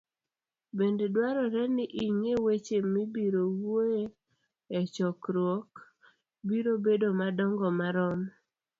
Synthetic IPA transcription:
bendedwaɾɔɾɛnɪʔiŋewet͡ʃemibiɾowoe | ɛt͡ʃɔkɾwɔk | biɾobedomadɔŋɡɔmaɾɔm

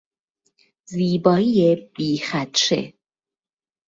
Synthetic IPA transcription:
ziːbɒːijeb̥iːxæt̪ʃḛ

